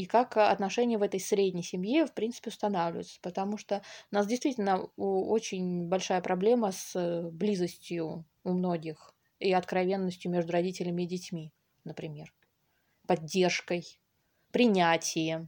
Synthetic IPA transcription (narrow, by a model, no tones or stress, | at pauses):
ikakɐ̰t̪nɐʂɛnʲɪjəvɛt̪əjsɾʲedʲnʲɪjsʲɪmjefpɾʲinsɨ̥pʲɪʊst̪ɐnavlʲɪvɪ̰t̪sə̥pət̪ɐmuʂt̪oʊnasdʲɪjst̪vʲitʲɪlʲnəot͡ɕɪnʲbɐlʲʂajəpɾɐblʲe̞məsblʲizəsʲtʲjʊː | mno̞ɡʲɪx | iɐt̪kɾɐvʲe̞nːəsʲtʲjʊmʲe̞ʐd̪ʊɾɐdʲitʲɪlʲɪmʲɪːdʲɪtʲmʲi | nəpɾʲɪmʲe̞r | pɐdʲːe̞rʂkəj | pɾʲɪnʲætʲɪjə